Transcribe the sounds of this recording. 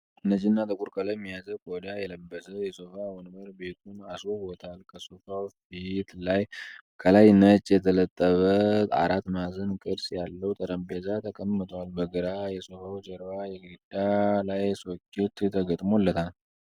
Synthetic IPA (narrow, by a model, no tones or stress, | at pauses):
ɨnːəd͡ʒinːat̪ʼɨkʼuɾkʰʼələmːijazəkʼod̪ajɛləbːəsəjɛsofawɔnbəɾbe̞t̪ʰunasowot̪ʰalkʰəsofafit̪laj | kʰəlajnət͡ʃʼːjɛt̪ʰələt̪ʼːəβət̪a̰ɾat̪ːmazənkʼɨdsjalːəwt̪ʼəɾəmbezat̪ʰəkʼəmːɨt̪ʰʼwalbəɡəɾajɛsofawd͡ʒəɾbajɛɡɨɨd̪alajsokːet̪t̪ʰəɡət̪ʼmolːət̪ʰal